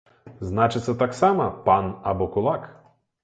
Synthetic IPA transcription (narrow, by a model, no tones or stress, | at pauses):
znɑt͡ʃɪt̪sɛt̪ɑksɑmɐpɑnɐbɔkʊlˠɑk